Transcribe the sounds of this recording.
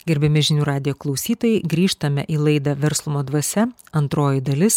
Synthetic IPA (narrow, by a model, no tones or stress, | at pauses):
ɡʲɛɾʲbʲɛmʲɪʒʲɪnʲuːɾɑːd̪ʲɪjoːklˠɒʊsʲiːt̪oːjɛɪɡɾʲiːʃt̪ɐmʲɛ̰ʔiːlˠɐɪd̪ɑʋʲɛɾslˠʊmoːd̪ʋɐsʲɛɐnt̪ɾoːjɪd̪ɐlʲɪs